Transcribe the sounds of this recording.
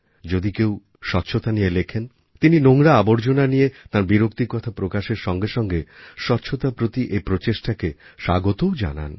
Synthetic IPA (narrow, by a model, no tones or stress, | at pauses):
d͡ʑod̪ikew | ʃɔtːɕʰot̪anijelekʰen | t̪ininoŋɽaaboɾd͡ʑonanijet̪aɾbiɾok̚t̪ikɔt̪ʰapɾokaʃeɾʃɔŋɡeʃɔŋɡeʃɔtːɕʰot̪apɾot̪iʔepɾot͡ɕeʃʈakeʃa̰ɡot̪ood͡ʑa̰na̰n